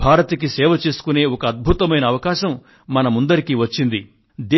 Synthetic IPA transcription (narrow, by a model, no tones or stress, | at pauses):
bʱaːɾɐt̪ɐk̬isɛːʋɐt͡ʃe̞ːsu̥kune̞ːɔkɐɐd̪̚bʱut̪ɐmɐjnɐːʋɐkaːʃɐmː | ɐnɐmund̪ɐɾikiʋɐt͡ʃːind̪i | d̪e